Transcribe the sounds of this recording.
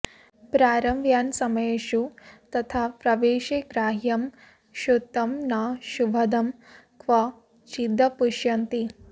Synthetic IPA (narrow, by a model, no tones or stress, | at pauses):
pɾaːɾɐmjaːnsɐmɐjeʃut̪ɐt̪ʰaːpɾɐʋeːʃeːɡɾaːɦjɐm | ʃut̪ːɐmnaːʃubʱɐd̪ɐm | kʰʋɐ | t͡ʃid̪ʱːɐpuʃjɐnt̪i